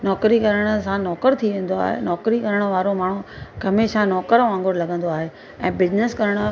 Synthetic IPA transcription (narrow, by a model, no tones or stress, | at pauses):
nɔːkɾikɐɾəɽ̃ə̆sãnɔːkəɾt̪ʰiʋẽːn̆d̪oa̰ːɦḛnɔːkɾikɐɾəɽ̃ə̆ʋaːɾomaːɳ̤uɡʱɐmeʃãnɔːkəɾʋãːŋɡʱoɾlɐɡʱə̃nd̪oaːɦe | ɛ̃ːbɪd͡ʑneskɐɾəɽ̃̆